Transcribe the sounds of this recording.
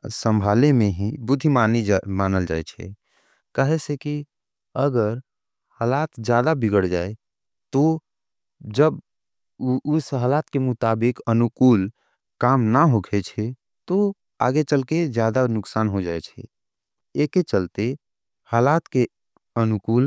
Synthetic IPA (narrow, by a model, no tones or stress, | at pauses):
sə̃mbʱalemeɦĩbud̪ʱimanimanəld͡ʒa̰ɛt͡ʃʰɛ̰ | kaɦesẽki | əɡəɾ | halat̪d͡ʒjad̪abiɡəɽd͡ʒae | t̪o | d͡ʒəb | usəɦalat̪kemut̪abɪkənukuːl | kamnaɦokʰɛt͡ʃʰɛ | t̪o | a̰ɡet͡ʃəlked͡ʒjad̪anʊksanɦod͡ʒajt͡ʃʰɛ̰ | eket͡ʃəlt̪e | halat̪ke | ənukuːl